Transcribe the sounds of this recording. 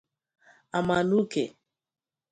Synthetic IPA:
a˨ma˨nu˦kḛ˨

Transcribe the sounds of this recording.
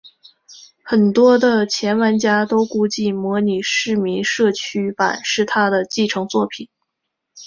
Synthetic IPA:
xə˨˩nt̪wɔ˥d̪ə˨t͡ɕʰjɛ˧˥nwa˧˥nt͡ɕja˥t̪o˥ʊku˥˧t͡ɕi˥˩mwɔ˧˥ni˨˩ʂɻ̩˥˩mi˧˥ŋʂɤ˥˩t͡ɕʰy˥pa̰˨˩˦nʂɻ̩˥˩t̪ʰa˥d̪ə˨t͡ɕi˥˩ʈ͡ʂʰɤ˧˥ŋt͡swɔ˥˩pʰi˨˩˦n

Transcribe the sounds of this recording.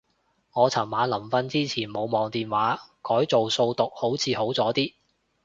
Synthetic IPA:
ŋɔː˨˧t͡sʰɐ˨˩mmaː˨˧nlɐ˨˩mfɐ˧nt͡siː˥t͡sʰiː˨˩nmo˨˧wmɔː˨˧ŋt̪iː˨nwaː˨˥kɔː˨˥jt͡so˨wso˧wt̪ʊ˨k̚ho˨˥wt͡sʰiː˨˧ho˨˥wt͡sɔː˨˥t̪iː˥

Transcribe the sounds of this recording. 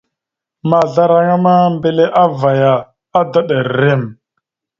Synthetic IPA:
ma˨ɮa˦ɾa˦ŋa˦ma˦mbe˦˨le˦ʔa˦va˨ja˨ | a˦da˦ɗa˨ɾɾe˦˨m

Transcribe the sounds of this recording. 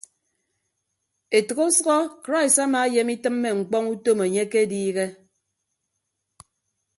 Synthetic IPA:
e˨tɔ˨ɣo˦sɔ˦ɣɔ˦kɾa˦i˨sa˦ma˨˦je˨mi˦tɨ˦mːe˦ŋ͡m̩˨k͡pɔ˦ŋu˦to˦me˨ɲe˦ke˦diː˦ɣe˦

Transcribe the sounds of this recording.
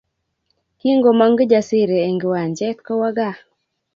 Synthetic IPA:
ki˦ŋɡo˨ma˦ŋɡd͡ʒa˨sɪ˦ɾeː˨ŋɡwa˨ɲd͡ʒɛ˦t̪kɔ˦wa˦ɡa˦

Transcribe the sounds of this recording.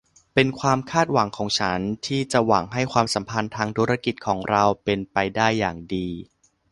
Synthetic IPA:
pe˧nkʰwaː˧mkʰaː˥˩t̪̚wa˩˦ŋkʰɔː˩˦ŋt͡ɕʰa˦˥nt̪ʰiː˥˩t͡ɕa˨˩waː˩˦ŋɦa˥˩jkʰwaː˧msa˩˦mpʰa˧nt̪ʰaː˧ŋt̪ʰu˧˦˥ɾa˧ki˨˩t̪̚kʰɔː˩˦ŋɾa˧wpe˧npa˧jdaː˥˩jːaː˨˩ŋdiː˧

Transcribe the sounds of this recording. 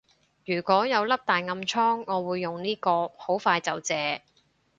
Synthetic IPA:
jyː˨˩kʷɔː˨˥jɐ˨˧wlɐ˥p̚t̪aː˨jŋɐ˧mt͡ʃʰɔː˥ŋːɔː˨˧wuː˨˧jːʊ˨ŋniː˥kɔː˧ho˨˥wfaː˧jt͡sɐ˨˧wt͡sɛː˨˧

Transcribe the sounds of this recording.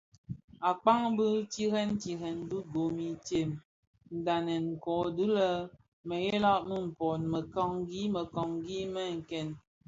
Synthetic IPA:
a˨k͡pa˦ŋbə˦ti˦ɣɛ˦n˦ti˨ɦɛ˨ndu˦ɡo˨mi˨tje˨m | n̩˨da˨nɛ˨ŋ̩˨kɔ˨du˦lə˦ | mə˨je˦lɔ˦ʔmə˦m̩˨pɔ˨nmə˨kɔ˦ŋɡi˦mə˨kɔ˨ŋɡi˦mə˦˨ŋ̩˨kɛ˦˨n

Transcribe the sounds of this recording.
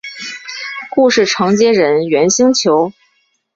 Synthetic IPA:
ku˥˧ʂɻ̩˥˩ʈ͡ʂʰɤ˧˥ŋt͡ɕjɛ˥ɻə˧˥nɥɛ˧˥nɕi˥ŋt͡ɕʰjo˧˥ʊ

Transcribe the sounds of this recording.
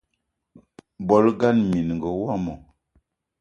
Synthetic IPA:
bɔ˦lɡa˦nmi˨n˨ŋ˨ɡɔ˨wa˦˨mɔ˨

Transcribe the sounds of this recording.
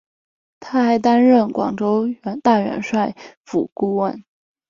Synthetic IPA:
t̪ʰa˥xa˧˥ɪt̪a˥nɻə˥˩nkwɑ̰˨˩ŋʈ͡ʂo˥ʊɥnt̪a˥˩ɥɛ̰˧˥nʂwa˥˩ɪfu˨˩ku˥˧wə˥˩n

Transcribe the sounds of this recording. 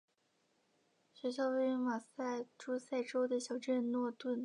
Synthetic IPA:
ɕɥɛ˧˥ɕ̬jɑ˥˧ʊwe˥˩ɪy˧˥nma˨˩sa˥˩ɪʈ͡ʂu˥sa˥˩ɪʈ͡ʂo˥ʊd̪ə˨ɕjɑ˨˩ʊʈ͡ʂə˥˧nnwɔ˥˧t̪wə˥˩n

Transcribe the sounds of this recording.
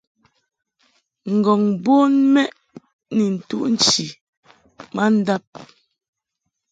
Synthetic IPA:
ŋ̩˨ɡɔ˨ŋbo˦nmɛ˦ʔ | ni˨n̩˨tu˦ʔn̩˦t͡ʃi˨ | ma˦n̩˦da˦p̚

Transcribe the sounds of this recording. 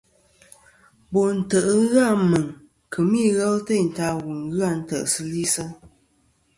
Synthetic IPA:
bo˨n̩˨tə˨ʔŋ˦ɣa˦˨mə˨ŋ | kʰə˨mi˦˨ɣɛ˦lte˦˨n̩˨ta˦ɣu˨ŋ˦ɣɯ˦a˦˨n̩˦tə˨ʔsə˦li˦sə˦

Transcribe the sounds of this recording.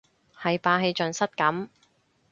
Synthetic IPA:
hɐ˨jpaː˧ɦe˨˧jt͡ʃɵ˨nsɐ˥t̚kɐ˨˥m

